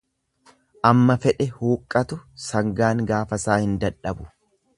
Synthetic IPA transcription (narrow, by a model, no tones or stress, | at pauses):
ʔɐmːɐfɛᶑɛhuːkʼːɐt̪ʊsɐŋɡaːŋɡaːfɐsaːhɪnd̪ɐᶑɐbʊ̥